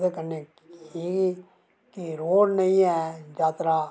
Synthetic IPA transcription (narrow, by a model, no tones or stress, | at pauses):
d̪eːkəneː | iːi | kiɾoːɽnəĩːɛːd͡ʒaːt̪ɾaː